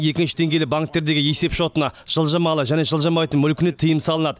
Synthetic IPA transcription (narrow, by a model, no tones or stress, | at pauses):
je̞kʲɪnʃɪ̥d̪ʰe̞ŋɡʲejlɪbaŋk̚t̪ːe̞ɾd̪e̞ɡʲɪje̞se̞pʃo̞t̪ənɑʒ̥əlˠʒɑmɑlˠəʒæne̞ʒəlˠʒɑmɑjt̪ənmʏlkʲɪnɪt̪ʰəjəmsɑlˠənɑd̪ə